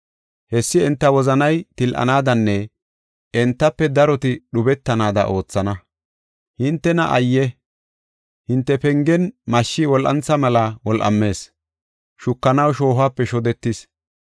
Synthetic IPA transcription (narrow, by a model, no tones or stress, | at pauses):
hɛsːɪɛnt̪ːɐwɔzɐnɐjt̪ɪlʔɐ̰naːd̪ɐnːɛ | ɛnt̪ːɐpːɛd̪ɐɾɔt̪ɪɗʊbɛt̪ːɐnaːd̪ɐ̰ʔo̞ːt͡sːɐnɐ | hɪnt̪ːɛnɐʔɐjːɛ | hɪnt̪ːɛpɛŋɡɛnmɐʃːɪwɔlʔɐ̰nt͡sːɐmɐlɐwɔlʔɐ̰mːe̞ːs | ʃʊkːɐnɐwʃo̞ːɦaːpːɛʃɔd̪ɛt̪ːɪs